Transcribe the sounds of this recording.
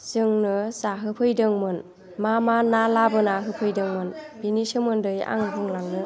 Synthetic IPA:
sɯŋnɯsaɦɯpʰɯjdɯŋmɯn | mamanalabɯnaɦɯpʰɯjdɯŋmɯnb̥inisɯmɯndɯja̰ŋɦʰɯŋlaŋnɯ

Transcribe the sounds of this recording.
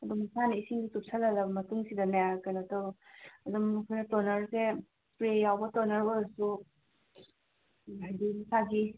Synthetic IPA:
ɐdumisanɐisiŋɡitup̚sʰɐlɐlɐbɐmɐtuŋsidɐnajaɾkɐjnɐtɐwɐdumkʰojnɐtonɐɾse | pɾejawbɐtonɐɾbɐdɐsu | ɦajdimisaɡi

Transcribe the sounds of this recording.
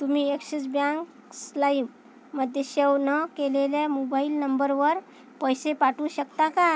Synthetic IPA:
t̪um̤iːekɕit͡sbjãŋk | slaibː | əd̪ʱjeɕeʋnəkelelemobailnəmbəɾʋəɾ | pəjsepaʈũːɕəkt̪aka

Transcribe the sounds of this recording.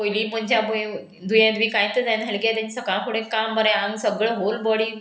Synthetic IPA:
ɦojliːm̤ənd͡ʑjabo | d̪ʱujãt̪ʋiːkãj̃t̪əd̪ajnɦelkat̪ẽnisəkaɭkʰuɽẽkambəɾɛ̃ãŋɡsəɡɭəɦolbɔɽiː

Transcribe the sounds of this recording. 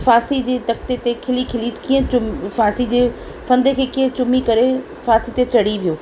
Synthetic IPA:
faːsid͡ʑeːt̪ɐkt̪et̪ekʰɪlikʰɪlikĩːɦə̃t͡ɕʊmfaːsid͡ʑeː | fɐ̃nd̪ekʰeːkĩːə̃t͡ɕʊmikɐɾe | faːsit̪et͡ɕɐɽ̤iʋʱijoː

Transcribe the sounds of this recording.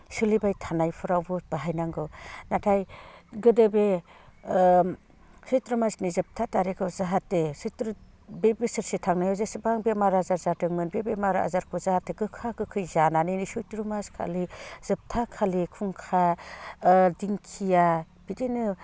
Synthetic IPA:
sɯlibajtʰanajpʰɯɾawbɯb̥aɦajnaŋɡɯwnatʰajɡɯdebe | sɯjtɾɯmasnizɯp̚tʰataɾikʰɯzaɦatːesɯtɾɯ | bebesɯɾsetʰaŋnajɔzesɯbaŋbemaɾazaɾzatɯŋmɯnbebemaɾa̰zaɾkʰɔzahatːeɡɯkʰakɯkʰɯjzananɯnisujtɾɯmaskʰa̰liz̥ɯp̚tʰakʰalikʰuŋkʰa | diŋkʰija | b̥idinɯ

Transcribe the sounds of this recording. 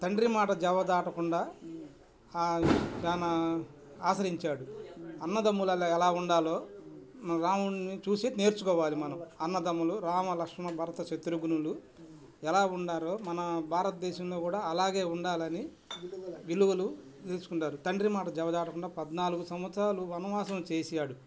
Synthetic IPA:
t̪ɐɳɖɾimaːʈɐd͡ʒɛʋɐd̪aːʈɐkuɳɖaː | d̪aːnɐ | aːsɐɾiɲt͡ʃaːɽuɐnːɐd̪ɐmːulɐlːɛlaːuɳɖaːlo̞ː | ɾaːmuɳnit͡ʃuːseːne̞ːɾt͡ʃukɔːʋaːlimɐnɐmɐnːɐd̪ɐmːuluɾaːmɐlɐkʂɐmɐbʱɐɾɐt̪ɐʃet̪ɾuɡunulu | ɛlaːuɳɖaːlo̞ːmɐnɐbʱaːɾɐt̪ɐd̪ɛːʃɐmloːkuːɽaːɐlaːɡe̞ːuɳɖaːlɐni | ʋiluʋɐlu | t̪eːlsu̥kuɳʈaːɾut̪ɐɳɖɾimaːʈɐd͡ʒɛbɐd͡ʒaːʈɐkuɳɖaːpɐd̪naːluɡusɐmʋɐt̪sɾaːluɐnuʋaːsɐmt͡ʃeːsɛjaːɽu

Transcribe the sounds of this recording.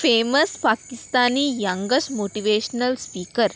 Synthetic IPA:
feməspakist̪aniːjaŋɡəsmoʈiʋeɕnəlspiːkəɾ

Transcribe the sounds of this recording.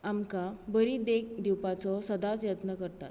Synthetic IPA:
amkabəɾid̪ek̚d̪iwpat͡sɔsəd̪at͡sjət̪nəkəɾt̪a̰t̪

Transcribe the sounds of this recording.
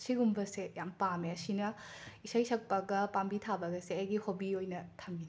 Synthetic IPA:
siɡumbɐsejampameɐsinɐisajsɐk̚pɐɡɐpambitʰabɐɡɐseɐjɡihobiojnɐtʰɐmbin

